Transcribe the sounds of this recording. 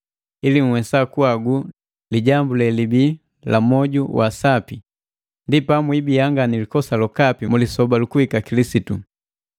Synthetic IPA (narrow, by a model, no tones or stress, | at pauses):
ilim̩wɛsakuaɡu | liɟambulɛlibi | lamɔɟuwasapi | ndipamwibijaŋɡanilikɔsalɔkapimulisɔbalukuhikakilisitṵ